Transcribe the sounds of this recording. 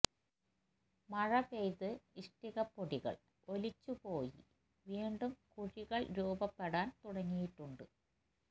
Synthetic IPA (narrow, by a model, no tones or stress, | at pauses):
mɐɻɐpejðɨiʂʈiɣɐpːoɽiɣɐ̰ɭ | o̞lit͡ɕːupo̞ːjḭ | ʋiːɳɖumkuɻiɣɐɭɾuːbɐpːeɽaːnt̪uɽɐŋːijiʈːuɳɖɨ